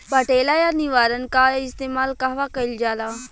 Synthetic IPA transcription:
pəʈeːlajaːniʋaːɾənkaɪst̪eːmaːlkaɦʋakɐɪld͡ʒaːlaː

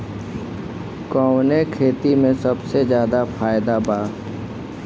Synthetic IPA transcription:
kɔːwnekʰeːt̪imẽsəbsezjaːd̪afʰaːjd̪abaː

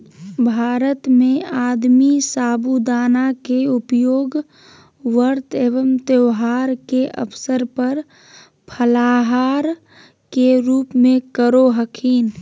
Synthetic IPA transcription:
bʱaːɾət̪mẽaːd̪misaːbud̪aːnakeʊpjoːɡ | ʋəɾt̪eːʋəmt̪eʋɦaːɾkeʔə̰pʰsəɾpəɾ | pʰəlaːɦaːɾ | keɾuːpmẽkəɾoɦəkʰiːn

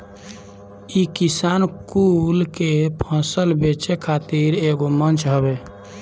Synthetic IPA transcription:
ikisankulkepʰə̃səlbet͡ʃekʰat̪iɾeɡomənt͡ʃʰɦəbe

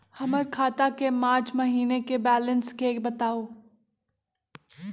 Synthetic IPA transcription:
hɐməɾkʰaːt̪akemaːɾt͡ʃmɐɦiːnekebɛːlənskeːkbɐt̪aːoː

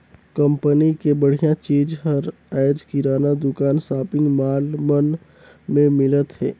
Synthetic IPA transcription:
kə̃mpənikebəɽ̤ijãt͡ʃiːd͡ʒɦəɾ | ɛːd͡ʒkiɾaːnad̪ʊkaːnsaːpɪ̃ŋɡmaːlmən | mẽmɪlət̪ɦɛ̰ː

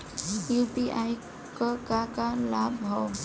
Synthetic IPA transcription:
jupiʔaj | kəkakalabʱɔw

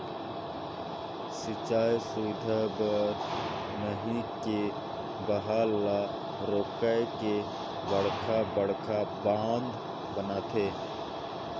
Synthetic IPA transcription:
sɪt͡ʃaːjsuːd̪ʱəbəɾ | nəɦĩke | bəɦaːla | ɾoːkəjke | bəɽ̤kʰabəɽ̤kʰabãːnd̪ | bənat̪ʰeː

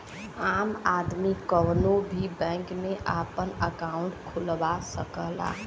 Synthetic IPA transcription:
aːmaːd̪mikɔːnobʱibɛ̃ːŋkmẽʔaːpənəkaːʊ̃ɳʈkʰʊlbasəkəɦla̰ː

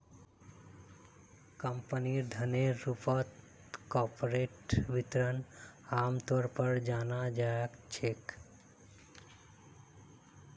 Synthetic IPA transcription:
kəmpəniɾd̪ʱəneːupət̪ | kɔpoɾeʈbit̪ɾənaːmt̪ɔɾpəɾd͡ʒaːnad͡ʒaakt͡ʃʰek

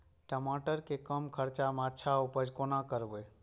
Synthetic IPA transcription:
ʈəmaʈəɾkekəmkʰəɾt͡ʃameətːʃʰaupəd͡ʒʱkonakəɾbəj

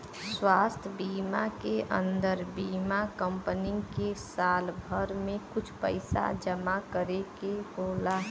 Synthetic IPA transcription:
swaːst̪ʰbiːmakeʔə̰̃nd̪əɾbiːmakə̃mpənɪkesaːlbʱəɾmẽkʊt͡ʃʰpə̰ɪsa̰d͡ʒəmakəɾekeboːla

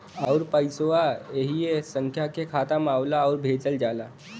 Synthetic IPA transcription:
əʊɾpəjsoaeɦiesəŋkʰjakekʰat̪əmaːwlaəʊɾbʱed͡ʒəld͡ʒala

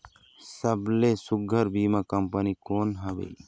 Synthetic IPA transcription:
sɐblesʊɡʱəɾbiːmãkɐmpənikoːnɦɐʋḛ

